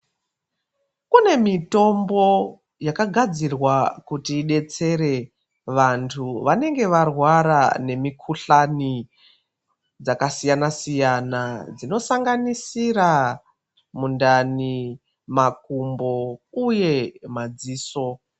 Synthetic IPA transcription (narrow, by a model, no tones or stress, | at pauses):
kune̞mito̞mbo̞ | jakaɡʱad͡zirwakutiːɗe̞t͡se̞ɾe̞ | ʋantʰuʋane̞ŋɡe̞ʋarwaɾa̰ne̞mikʰuɬani | d͡zakasijanasijanad͡zino̞saŋɡanisira | mundani | makumbo̞uje̞mad͡ziːso̞